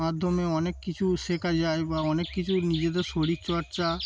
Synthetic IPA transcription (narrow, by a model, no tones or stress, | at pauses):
ad̪ʱːomeɔnekːit͡ɕʰuʃekʰad͡ʑaebaɔnekːit͡ɕʰunid͡ʑed̪eɾʃoɽikt͡ɕɔɾt͡ɕa